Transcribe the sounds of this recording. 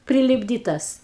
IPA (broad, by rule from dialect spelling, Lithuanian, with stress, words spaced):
pʲrʲɪlʲɪbʲˈdʲiːtɐs